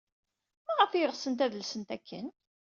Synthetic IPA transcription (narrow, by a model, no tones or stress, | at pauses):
mæʁəfjəʁsənt̪æðəlsənt̪ækʰːə̰n